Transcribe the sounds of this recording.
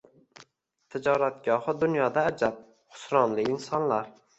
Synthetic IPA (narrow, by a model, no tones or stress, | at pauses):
t̪ʰɪd͡ʒɒɾat̪ɡ̥ʲɒhɨd̪ʊnjɒd̪aːd͡ʒap̚ | χʊ̥sɾɒnlɪɪnsɒnlaɾ